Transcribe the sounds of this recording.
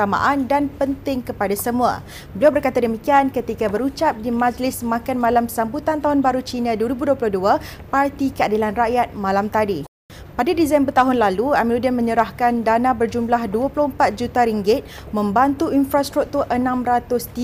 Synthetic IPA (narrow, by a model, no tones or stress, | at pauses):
ama̰ʔandanpənt̪ɪŋkəpadasəmũa̰ | bəliawbərkat̪adəmikiankət̪ikabəɾut͡ʃap̚dimãd͡ʒlɪsmãkanmãlamsambut̪ant̪aɦʊnbaɾut͡ʃinãduəɾibuduəplʊhdua | part̪ikəadilanraʔjat̪̚mãlamt̪adi | padadizanbərt̪aɦʊnlaluamiludiənmə̃ɲəɾahkandanãbərd͡ʒumlahduaplʊhəmpat̪̚d͡ʒut̪aɾiŋɡɪt̪̚ | mə̃mbant̪uinfɾast̪ɾuk̚t̪urʔənãmrat̪ʊst̪i